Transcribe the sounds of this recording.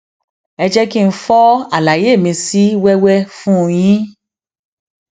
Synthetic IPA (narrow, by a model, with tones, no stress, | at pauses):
ɛ˧d͡ʒɛ˦ki˦˧n̩˦fɔ˦a˦˨la˨je˨˦˨mĩ˧si˦wɛ˦wɛ˦fũ˦˧j̃ĩ˦